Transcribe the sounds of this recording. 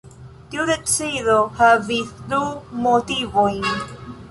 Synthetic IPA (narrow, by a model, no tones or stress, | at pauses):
tiudet͡siðohaviθdumotivojn